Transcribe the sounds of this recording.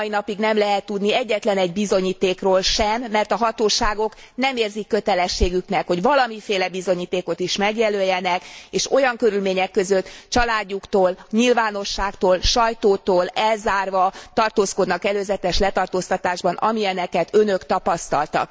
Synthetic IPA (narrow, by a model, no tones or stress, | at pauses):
inɒpiɡnɛmlɛɦɛt̪ːud̪niɛɟːɛt̪lɛnɛɟ̚bizo̞ɲiːt̪eːkroːlʃɛmːɛrt̪ɒɦɒt̪oːʃaːɡo̞k | nɛmeːrzikːø̞t̪ɛlɛʃːeːɡyknɛkho̞ɟvɒlɒmifeːlɛbizo̞ɲiːt̪eːko̞t̪iʃmɛɡjɛløːjːɛnɛkeːʃo̞jɒŋkøɾylmeːɲɛkːø̞zø̞t̪t͡ʃɒlaːɟːukt̪oːlɲilvaːno̞ʃːaːkt̪oːlʃɒjt̪oːt̪oːlɛlzaːrvɒt̪ɒrt̪oːsko̞d̪nɒkɛløːzɛt̪ɛʃlɛt̪ɒrt̪oːst̪ɒt̪aːʒbɒnʔɒ̰miɛnɛkɛt̪ønø̞kt̪ɒpɒst̪ɒ̰lt̪ɒ̰k